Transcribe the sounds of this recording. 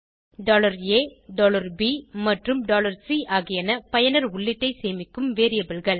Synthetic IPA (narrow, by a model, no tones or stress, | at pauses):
ɖoːlɐɾeːɖɔːlɐɾbimɐʈrɯmɖoːlɐɾsiːʔaːɣɪjɐnɐpɐjɐnɐɾʊɭːɪʈːɐɪseːmɪkːɯmʋeːɾɪjɐbɪlɣɐɭ